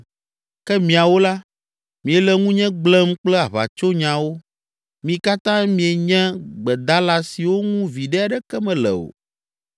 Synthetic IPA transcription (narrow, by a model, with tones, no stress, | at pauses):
kɛ˦mĩ˨a˨wo˦la˦ | mĩ˨e˨lɛ˨ŋũ˦ɲɛ̃˦ɡ͡blɛ˦mk͡plɛ˦a˨βa̰˨t͡ʃo˦ɲã˨wo˦ | mĩ˨ka˦t̪ã˦mĩ˨˦e˨ɲɛ̃˦ɡ͡bɛ˨d̪a˦la˦si˨wo˦ŋũ˦vi˨ɖɛ˦a˨ɖɛ˦kɛ˦mɛ̃˨lɛ̰˨o̰˨